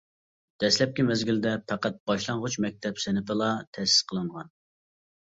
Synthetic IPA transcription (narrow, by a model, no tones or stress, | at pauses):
d̪̥ɛslɛp̚kʲimɛzɡʲild̪ɛpʰæqæt̪̚b̥ɑʃlˠɑŋʁʊt͡ʃmɛk̚ʲt̪ʰɛpsɪnɪpɨlˠɑt̪ʰɛsɪ̥sqʰəlˠɨɴʁɑn